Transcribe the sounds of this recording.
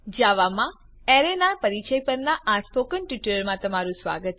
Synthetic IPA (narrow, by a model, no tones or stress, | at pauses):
d͡ʒaʋamã | ɛɾenaɾpəɾit͡ʃəjpəɾnaʔaspokənʈiʈələɾmãt̪əmaɾũsʋa̰ɡət̪